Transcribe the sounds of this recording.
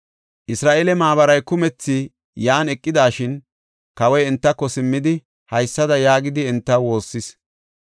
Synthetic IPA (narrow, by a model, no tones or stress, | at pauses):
ʔɪsɾaːʔeːlɛmaːβɐɾɐjkʊmɛt͡sːɪ | jaːnɛkʼːɪd̪aːʃɪn | kɐwɔjɛnt̪ːɐkːɔsɪmːɪd̪ɪ | hɐjsːɐd̪ɐjaːɡɪd̪ɪɛnt̪ːɐwo̞ːsːɪs